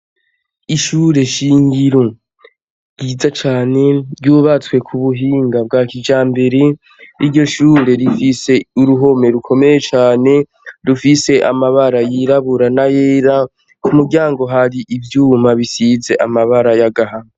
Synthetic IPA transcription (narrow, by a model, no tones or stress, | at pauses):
iʃuɾe̞ʃiːŋɡiɾo | ɡ̥iːzat͡ʃaːne̞ɾɟuːβat͡swe̞kʰuβuɦiːŋɡab̚ɡaːkid͡ʒaːmbe̞ɾe | iɾɟo̞ʃuːɾe̞ɾifise̞uɾuɦo̞me̞ɾukʰo̞me̞jet͡ʃaːne̞ | ɾufise̞ʔa̰maβaɾajiɾaβuɾanajeːɾa | kumuɾɟaːŋɡo̞ɦaɾiʔivjuːmaβisize̞ʔamaβaɾajaɡaɦa